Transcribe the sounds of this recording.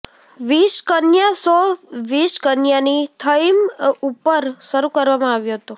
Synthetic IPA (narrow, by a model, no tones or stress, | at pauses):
ʋiʃkənjasɔʋiʃkənjanit̪ʰəjmupəɾʃəɾukəɾʋamãaʋjuɦət̪ũ